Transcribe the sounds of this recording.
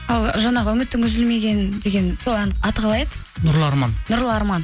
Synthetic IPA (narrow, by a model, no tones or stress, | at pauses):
ɑlˠʒɑnɑʁəʉmɪt̪ːɪŋʉzɪlme̞ɡʲe̞nd̪e̞ɡʲe̞nsolˠænɑt̪qʰɑlˠɑjd̪ə | nʊɾlˠəɑɾmɑnnʊɾlˠəɑɾmɑn